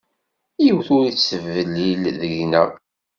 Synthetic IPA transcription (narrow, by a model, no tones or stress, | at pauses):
jiwθʊɾit͡sːəvːəlːilðəʝnæ̰